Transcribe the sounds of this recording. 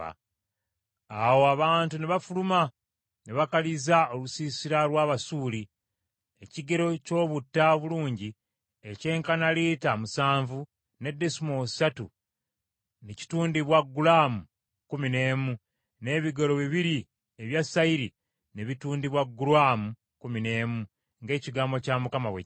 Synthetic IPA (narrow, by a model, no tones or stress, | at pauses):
a̰ | awo̞aβaːntuneβafuluma | neβakalizaolusiːsiɾalwaːβasuːli | eciɡe̞ɾo̞co̞ːβutːaβuluːɲɟi | ece̞ːŋkanaliːtamusaːɱvu | ne̞dːesumosatu | neci̥tuːndiβwaɡːulamu | kumine̞ːmu | ne̞ːβiɡolo̞βiβiɾi | eβjasaiɾi | neβituːndiβwaɡːuɾwaːmu | kumine̞ːmu | ŋɡe̞ːciɡaːmbo̞camukamawḛ